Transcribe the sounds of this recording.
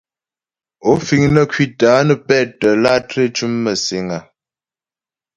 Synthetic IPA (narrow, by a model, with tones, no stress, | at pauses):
o˦fi˨ŋnə˦˨kwi˦˨taː˨˦nə˦pɛ˦˨tə˨la˦tɾe˦t͡ʃu˦mːə˨se˨ŋa˨